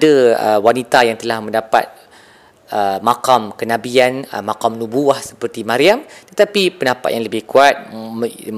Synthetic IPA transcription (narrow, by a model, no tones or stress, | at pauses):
daəwanit̪ajaŋt̪əlahmə̃ndapa̰t̪̚ | əmakamkənãbianəmakamnubuahsə̥pərt̪imãɾiamt̪ət̪apipənapa̰t̪jaŋləbɪhkuat̪̚